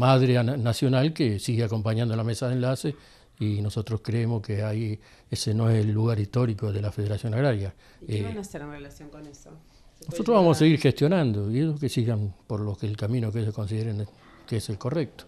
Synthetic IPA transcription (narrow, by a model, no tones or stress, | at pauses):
maðɾeanasjo̞nalkesiɣeako̞mpaɲãnd̪olamesaðenlase | ino̞so̞t̪ɾohkɾeemoskeai | esenoeselːuɣaɾist̪o̞ɾikoðelafeð̞eɾasjo̞naɣɾaɾja | naseɾenrelasjoŋkoneso | nosot̪ɾoβamosaseɣiɾxest̪jo̞nãnd̪oieʒoskesiɣampoɾlokelkamĩnokeeʒohko̞ns̬iðeɾen | keeselko̞rek̚t̪o̥